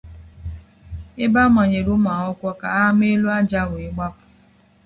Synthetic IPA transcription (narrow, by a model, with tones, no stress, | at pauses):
ɪ˦ba˦ma˨ɲe˨ɾu˦ma˨ɦɔ˦kʷɔ˦ka̰˨a˦m˦e˦lu˦a˦d͡ʒa˦˨wɪ˨ɡ͡ba˦pʊ̥˨